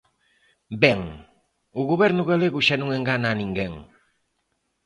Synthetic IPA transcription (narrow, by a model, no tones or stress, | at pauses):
bɛŋ | uɣoβɛɾnuɣaleɣuʃanũŋeŋɡananĩŋɡeŋ